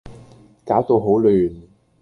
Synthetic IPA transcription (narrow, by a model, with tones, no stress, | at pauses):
kaː˨˥wt̪o˧wɦo˨˥wlyː˨n